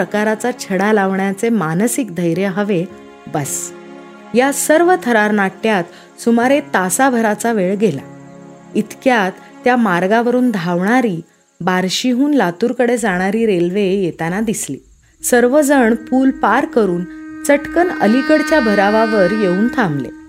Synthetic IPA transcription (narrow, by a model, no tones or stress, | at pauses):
əkaɾat͡sat͡ɕʰəɽalaʋɳjat͡semansik̚d̪ʱəjɾjəɦəʋe | bəs | jasəɾʋət̪ʰəɾaɾnaʈjat̪ | sumaɾet̪asabʱəɾat͡saʋeɭɡela̰ | it̪kjat̪ːjamaɾɡaʋəɾuːnd̪ʱaʋɳaɾiː | baɾɕiɦuːnlat̪uːɾkəɽed͡zaɽ̃aɾiːɾelʋejet̪anad̪islḭ | səɾʋəd͡zəɳpuːlpaɾkəɾuːnt͡səʈkənəlikəɽt͡ɕjabʱəɾaʋaʋəɾjeuːnt̪ʰãmlḛ